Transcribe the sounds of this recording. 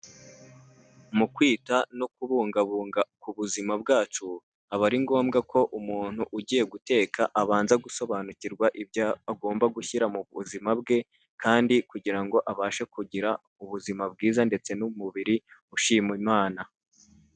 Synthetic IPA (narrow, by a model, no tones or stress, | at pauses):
mukwiːtanokuβuːŋɡaβuːŋɡakuβuzimabɡaːt͡ʃu | aβaɾiŋɡo̞ːmɡakʰo̞ʔumuːn̥huʔuɟiːje̞ɡute̞ːkʰaʔaβaːnzaɡuso̞βanuciɾɡwaʔibjaːɡo̞ːmbaɡuçiɾamuβuzimabɡe̞ | kaːndikuɟiɾaŋɡo̞ʔaβaːʃekuɟiɾa | uβuzimab̚ɡiːzande̞t͡se̞numuβiɾiuʃiːmwimaːna